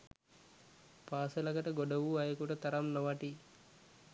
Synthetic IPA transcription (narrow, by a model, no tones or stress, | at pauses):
paːsɐlɐkɐʈɐɡoɖɐʋuɐjɐkuʈɐt̪ɐɾɐmnɔʋɐʈi